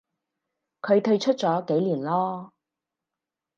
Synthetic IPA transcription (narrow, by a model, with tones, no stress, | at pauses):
kʰɵ˨˧ɥt̪ʰɵ˧ɥt͡ʃʰɵ˥t̚t͡sɔː˨˥ke˨˥jliː˨˩nlɔː˥